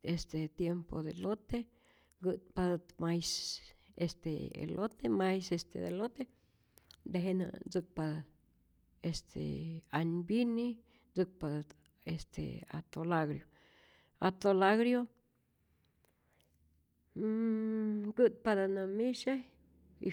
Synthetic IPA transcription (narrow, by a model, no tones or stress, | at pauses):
est̪et̪jempo̰d̪elot̪e | ɡɨt̪̚pad̪at̪majsest̪ḛḛlʔot̪emajsest̪ḛd̪elot̪e | nd̪eɦena̰nd͡zɨk̚pa | est̪ʰḛaɲbini | d͡zɨk̚pad̪at̪ | est̪ʰḛa̰t̪olaɡɾjo | a̰t̪olaɡɾjo | ɡɨt̪̚pad̪anamiʃa | ḭ